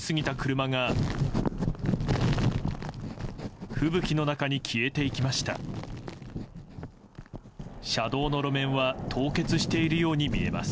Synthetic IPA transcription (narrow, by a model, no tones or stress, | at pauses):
sɨɡʲit̪akɯ̟ɾɯ̟maŋa | ɸɯ̟bɯ̟kʲino̞nakaɲ̟ikʲʰie̞t̪e̞ikʲimaɕi̥t̪a̰ | ɕad̪o̞ːno̞ɾo̞mẽ̞ɰ̃βat̪ʰo̞ːke̞t͡sɨɕi̥t̪e̞iɾɯ̟jo̞ːɲ̟imʲie̞̰ma̰sɨ̥